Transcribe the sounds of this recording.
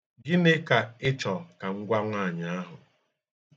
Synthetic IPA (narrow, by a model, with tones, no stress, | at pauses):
ɡɪ˦ne˦ka˨ɪ˦t͡ʃɔ˨ka˨ŋ̩˦ɡʷa˦ŋʷaː˦˨ɲ˨a˦ɦʊ˨